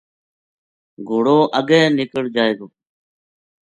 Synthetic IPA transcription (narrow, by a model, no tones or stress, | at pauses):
ɡʱoːɽoːʔəɠɛ̃ːnɪkəɽd͡ʒaːeːɡoː